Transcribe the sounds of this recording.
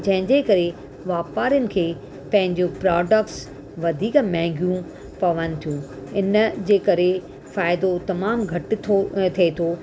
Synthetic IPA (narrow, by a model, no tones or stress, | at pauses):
d͡ʑɐ̃ɦɪ̃ɲd͡ʑeːkɐɾe | ʋaːpaːɾijənɪ̆kʰeː | pɐ̃ɦɪ̃ɲd͡ʑopɾaːɖək̚ʈs | ʋɐd̪ʱiːkmɛ̃ːŋɡjũ | pɐʋənɪ̆t̪ʰijũ | ɪnəd͡ʑeːkɐɾe | faːɪd̪ot̪ɐmaːmɡʱɐʈ̪̆ʰot̪ʰɐet̪ʰoː